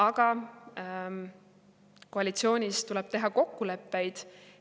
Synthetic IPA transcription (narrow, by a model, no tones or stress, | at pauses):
ɑɡ̥ɑ | ko̞ɑlit̪sio̞ːnʲist̪uleb̥t̪e̞ɦɑko̞kːule̞pːe̞jd̪̥